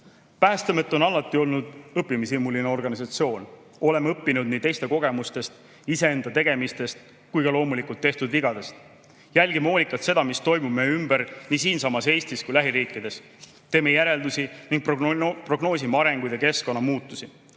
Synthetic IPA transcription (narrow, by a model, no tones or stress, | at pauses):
pæːst̪emet̪ːˑo̞nɑlːɑt̪ːˑio̞lnud̪̥ɤpːimisimːulineo̞rɡ̥ɑnisɑt̪sio̞ːn | o̞le̞meɤpːinud̪̚niːt̪e̞jst̪e̞ko̞ɡ̥e̞must̪e̞st̪ | ise̞e̞nd̪ɑt̪e̞ɡ̥e̞mist̪e̞st̪ | kujɡɑlo̞ːmulikult̪ːe̞ht̪ud̪viɡɑd̪e̞st̪ | jælʲɡimeo̞ːlʲikːˑɑt̪se̞d̪ɑmist̪o̞jmub̥mejymbəɾniːsiːnsɑmɑse̞ːsʲt̪iskujlæɦiɾiːkːˑid̪̥e̞s | t̪eːmejæɾe̞ld̪̥usiniŋɡ̥̚ppro̞ɡno̞ːs̬imeɑɾe̞ŋɡ̥ujd̪̥eke̞sko̞nːɑmuːt̪ːˑusi